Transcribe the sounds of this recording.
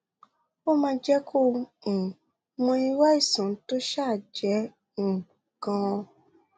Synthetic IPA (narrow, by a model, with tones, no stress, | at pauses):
o˦mãː˧d͡ʒɛ˦kʰõ˦˧˨ | mɔ̃˧i˧˦wa˦i˦˨sã˨˦to˦ʃa˦˨d͡ʒɛ̃˨˦˨ | kã˧